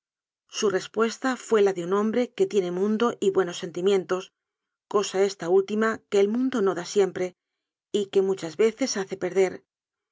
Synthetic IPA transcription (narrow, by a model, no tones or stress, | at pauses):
sure̞spwe̞st̪afwe̞laðeunõ̞mbɾe̞ke̞t̪je̞ne̞mũnd̪o̞ʔiβwe̞no̞sːe̞nt̪imjẽ̞nt̪o̞s | ko̞sae̞st̪ault̪imake̞ːlmũnd̪o̞no̞ðasje̞mpɾe̞ | ike̞mut͡ʃazβe̞θe̞saθe̞pe̞ɾðe̞ɾ